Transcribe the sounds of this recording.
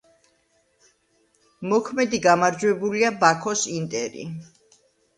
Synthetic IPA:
mɔkʰmɛd̪iɡamaɾd͡ʒwɛbuliabakʰɔsint̪ʼɛɾḭ

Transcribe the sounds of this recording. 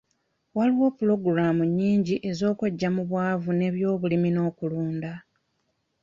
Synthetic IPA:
waliwo̞ːpulo̞ɡɾamuɲːiːɲɟiʔe̞zo̞ːkweɟːamuβwaːvune̞βjo̞ːβulimino̞ːkuluːnda

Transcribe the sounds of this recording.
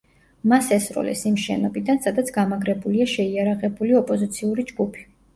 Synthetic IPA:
masɛsɾɔ̰lɛ̰simʃɛ̰nɔbid̪ansad̪at̪sʰɡamaɡɾɛbuliaʃɛiaɾaʁɛbuliɔpʼɔzit̪sʰiuɾid͡ʒɡupʰi̥

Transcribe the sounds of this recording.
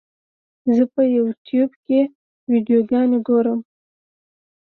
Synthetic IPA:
zəpəjawʈjubke | wiɖjoɡɑnoɡoɾəm

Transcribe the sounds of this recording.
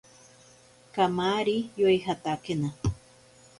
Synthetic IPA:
kamaɾijojɦat̪akena

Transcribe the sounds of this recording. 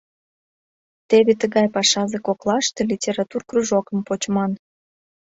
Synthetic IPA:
t̪eβet̪əɣɑjpɑʃɑzekoklˠɑʃt̪e̽lʲitʲeɾɑt̪urkruʒokəmpot͡ɕmɑn

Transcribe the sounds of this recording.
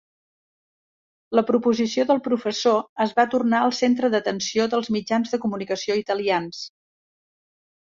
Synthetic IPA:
ləpɾupuzisioðəlˠpɾufəsoəzβat̪urnaəlˠsent̪ɾəðət̪ənsioðəlˠzmid͡ʒanzðəkumunikəsioit̪əlians

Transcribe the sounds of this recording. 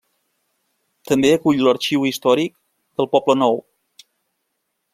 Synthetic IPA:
t̪əmbeəkuʎlərt͡ʃiwist̪ɔɾik̚ | d̪əlˠpɔblənɔw

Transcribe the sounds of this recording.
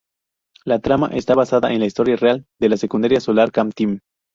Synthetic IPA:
lat̪ɾama̰ʔe̞st̪aβasaðaʔe̞nlaist̪o̞ɾjareald̪e̞lasekund̪aɾjasolaɾkamt̪im

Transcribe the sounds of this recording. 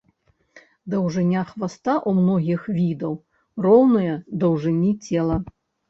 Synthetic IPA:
d̪ɐwʐɨnʲaxvast̪aʔumnɔɣʲixvʲid̪ɐw | rɔwnɨjɐd̪ɐwʐɨnʲit͡sʲɛlˠɐ

